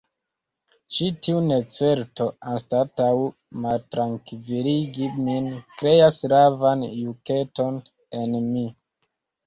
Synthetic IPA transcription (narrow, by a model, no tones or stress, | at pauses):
t͡ʃitʰiune̞t͡se̞ɾto̞anstataw | maltɾaŋkviliɡiminkɾe̞asɾavanjuke̞to̞n | e̞nmi